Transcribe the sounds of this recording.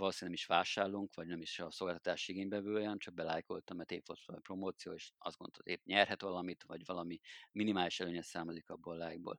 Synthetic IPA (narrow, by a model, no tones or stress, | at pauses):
loːsinɛmiʃʋaːʃaːrluŋkʋɒɟnɛmiʃɒso̞lɡaːlt̪ɔ̥t̪aːʃiɡeːɲbɛvøːjɛmt͡ʃɒk̚bɛlaːjko̞̰lt̪ɒmɛt̪ḛːpfot̪promoːt̪sijo̰ːeːʃɒ̰zɡonolt̪eːpɲɛrɦɛt̪vɒlɒmit̪vɒɟvɒlɒmiminimaːliʃɛløːɲɛsaːmolikɒbolaːjiɡ̚bo̰ːl